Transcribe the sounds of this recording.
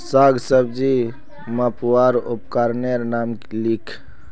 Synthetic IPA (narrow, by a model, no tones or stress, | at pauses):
saɡʱsəbd͡ʒi | məpwaɾupkaɾneɾnamklikʰ